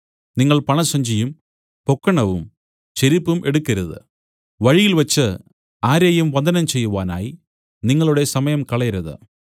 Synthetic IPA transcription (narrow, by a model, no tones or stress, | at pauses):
niŋːɐɭpɐɳɐsɐɲd͡ʑijum | po̞kːɐɳɐʋum | t͡ɕeɾipːumʔe̞ɽukːɐɾuðɨ̰ | ʋɐɻijilʋɐt͡ɕːɨ | aːɾɐːjumʋɐnd̪ʱɐnɐmt͡ɕe̞jːuʋaːna̰ːji | niŋːɐɭuɽe̞sɐmɐjɐmkɐɭɐɐɾuðɨ̰